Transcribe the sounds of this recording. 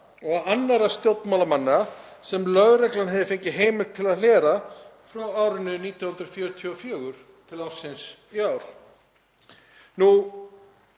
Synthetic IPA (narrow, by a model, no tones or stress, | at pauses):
ɔɣanːaɾast̪jowt̪nmaːlamanːasɛmlœɣɾɛklanɦɛðɪfɪɲcɪɦeːjmɪl̥t̪ʰːɪlaðlɛːɾafɾawaːwɾʏnʏniːt̪jawhʏnt̪ɾʏfjœːɾʏt̪ʰiɔfjœːɣʏɾ̥ | t̪ʰɪlawsɪnsiaːwɾ̥ | nu